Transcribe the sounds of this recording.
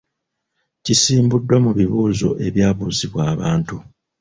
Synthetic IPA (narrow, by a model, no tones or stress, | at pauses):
cisiːmbudːwamuβiβuːzo̞̰ʔe̞βjaːβuːziβwaːβaːntu